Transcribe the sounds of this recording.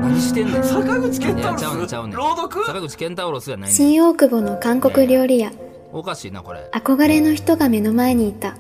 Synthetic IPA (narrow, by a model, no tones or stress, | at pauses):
t̪esakaɡɯ̟t͡ɕi̥kẽnaaaɾoːd̪okɯsakaɡɯ̟t͡ɕi̥kẽnt̪aoɾosanaɕĩɰ̃o̞ːkɯ̟bo̞no̞kãŋko̞kɯ̟ɾʲo̞ːɾʲija | okaɕiːna̰koɾḛako̞ɡaɾe̞noçi̥t̪o̞ɡame̞no̞mae̞ɲ̟iːt̪ːa